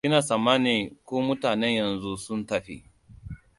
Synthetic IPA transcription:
kɪ˦naː˨sa˨mːaː˦neː˨kʷoː˦mʊ˦taː˨nɛ˦ɲjɐ˨nzu˦sʊ˦ntɐ˨ɸḭ˦

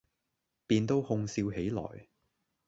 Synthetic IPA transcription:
piː˧nt̪o˥whʊ˧ŋsiː˧whe˨˥jlɔ̰ː˨˩j

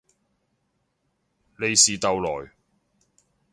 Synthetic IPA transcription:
le˨˧jsiː˨t̪ɐ˨wlɔː˨˩j

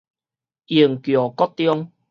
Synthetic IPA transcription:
i˨˩əŋkjɔ˨˩kɔ˦t̚t̪jɔ˦ŋ

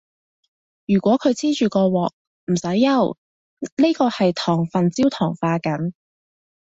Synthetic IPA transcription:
jyː˨˩kʷɔː˨˥kʰɵ˨˧ɥt͡siː˥t͡ʃyː˨kɔː˧wɔː˨k̚ | m̩˨˩sɐ˨˥jːɐ˨w | niː˥kɔː˧hɐ˨jt̪ʰɔː˨˩ŋfɐ˨nt͡siː˥wt̪ʰɔː˨˩ŋfaː˧kɐ˨˥n

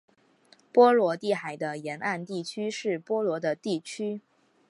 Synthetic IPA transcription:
pwɔ˥lwɔ˧˥t̪i˥˩xa˨˩ɪd̪ə˦jɛ˧˥nʔa˥˧nt̪i˥˩t͡ɕʰy˥ʂɻ̩˥˩pwɔ˥lwɔ˧˥d̪ə˧t̪i˥˩t͡ɕʰy˥

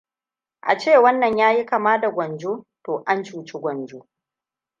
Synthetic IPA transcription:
ʔa̰˨t͡ʃeː˦˨wɐ˦nːɐ˨ɲjaː˦ji˦kɐ˨maː˦da˨ɡʷɐ˨nd͡ʒoː˦toː˨ʔa˦nt͡ʃuː˦t͡ʃe˦ɡʷɐ˨nd͡ʒoː˦

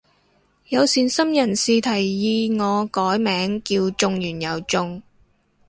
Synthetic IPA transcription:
jɐ˨˧wsiː˨˩nsɐ˥mjɐ˨˩nsiː˨t̪ʰɐ˨˩jːiː˧ŋɔː˨˧kɔː˨˥jmɛː˨˥ŋkiː˧wt͡sʊ˧ŋjyː˨˩njɐ˨˩wt͡sʊ˧ŋ

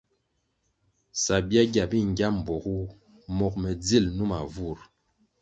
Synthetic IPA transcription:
sa˨bja˦ɡja˨bi˦ŋ˨ɡja˦m̩˨bɔ˨ɣu˦ | mɔ˨k̚mɛ˨d͡zi˦˨lnu˦ma˨vu˦˨ɾ

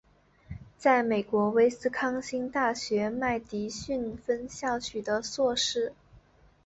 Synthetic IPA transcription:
t͡sa˥˩ɪme˨˩ɪkwɔ˧˥we˥ɪsɹ̩˥kʰɑ˥ŋɕi˥ŋt̪a˥˩ɕɥɛ˧˥ma˥˩ɪt̪i˧˥ɕy˥˩nfə˥nɕjɑ˥˩ʊt͡ɕʰy˨˩d̪ə˦swɔ˥˧ʂɻ̩˥˩

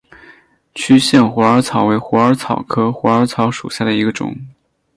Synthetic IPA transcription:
t͡ɕʰy˥ɕjɛ˥˩nxwɔ˧˥ə˞˧˥t͡sʰɑ˨˩˥ʊwe˧˥ɪxwɔ˧˥ə˞˧˥t͡sʰɑ˨˩ʊkʰɤ˥xwɔ˧˥ə˞˧˥t͡sʰɑ˧˥ʊʂṵ˨˩ɕja˥˩d̪ə˩i˧˥ɡə˧ʈ͡ʂʊ̰˨˩˦ŋ

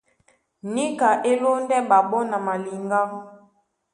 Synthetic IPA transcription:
ni˦ka˨ʔe˦lo˦n˦dɛ˦ɓa˨ɓɔ˦na˨ma˨li˨ŋɡa˦ŋ

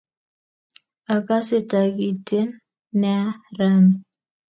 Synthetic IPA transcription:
a˨ka˦sɪ˦ta˨ɡi˨te˦nː | ɛ˦a˦ɾa˦mi˨

